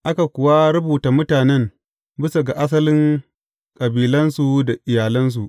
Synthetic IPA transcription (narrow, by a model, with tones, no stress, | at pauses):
ʔa˦ka˨kʷʊ˨wa˦ɾʊ˦buː˨ta˨mʊ˦taː˨nɛ˦m | bɪ˦sa˨ɡa˨ʔa˦s̬ɐ˦lɪ˦ŋ | kʼɐ˨biː˨lɐ˦nsu˨da˨ʔɪ˨jaː˨lɪ˦ns̬u˨ʔ